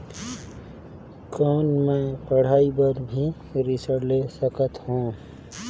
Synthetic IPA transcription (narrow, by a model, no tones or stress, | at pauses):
kɔːnmẽpəɽ̤aːibəɾbʱi | ɾɪsəɽlesəkət̪ɦũ